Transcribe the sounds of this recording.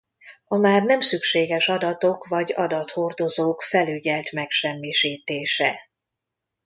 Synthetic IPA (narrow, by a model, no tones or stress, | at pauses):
ɒmaːrnɛmsykʃeːɡɛʃɒd̪ɒt̪o̞kʋɒɟɒd̪ɒt̪ho̞rd̪o̞zoːkfɛlyɟɛlt̪mɛkʃɛmːiʃiːt̪eːʃɛ